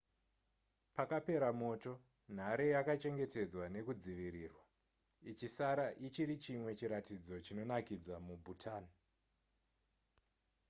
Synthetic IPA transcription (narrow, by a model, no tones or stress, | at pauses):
pakape̞ɾamo̞to̞ | n̤aɾe̞jakat͡ʃe̞ŋɡe̞te̞d͡zwane̞kud͡ziʋiɾiːrwa | it͡ʃisaɾaʔit͡ʃiɾit͡ʃimwe̞t͡ʃiɾatid͡zo̞t͡ʃino̞nakid͡zamubʱutʰaːni